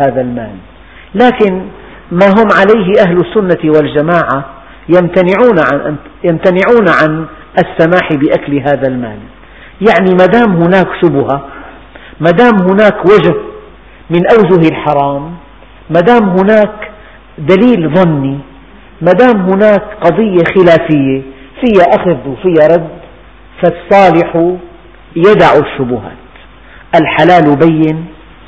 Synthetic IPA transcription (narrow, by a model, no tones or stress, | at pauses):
aːðalmaːlː | aːkɪn | maɦʊmʕalajɦɪʔaɦlʊsːʊnːawald͡ʒamaːʕa | jamt̪anɪʕuːnʕanʔjamt̪anɪʕuːnʕan | ʔasːamaːħɪbɪʔaklɦaːðalma̰ːl | jaʕnimad̪aːmɦʊnaːkʃʊbʊha | mad̪aːmɦʊnaːkwad͡ʒh | mɪnʔawd͡ʒʊɦɪlħɑɾˤɑːmː | ad̪aːmɦʊnaːk | d̪aliːlðˤɑnːi | mad̪aːmɦʊnaːkqɑd̪ˤɨjːexɪlaːfɪjːefɪjːaʔaxðwfɪjːaɾˤɑd̪ | fasˤːɑːlɪħu | jad̪aʕuʃːʊbʊha̰ːt̪ | ʔalħalaːlwbajːɪn